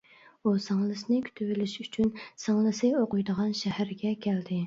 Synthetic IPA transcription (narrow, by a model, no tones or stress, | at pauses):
usɑŋlˠɨsɨnɪkʲʰy̥t̪ʰyvɪlɪʃyt͡ʃʰynsɑŋlˠɨsɨoqʊjd̪əʁɑnʃæhæɾɡʲɛkʲʰæld̪ɪ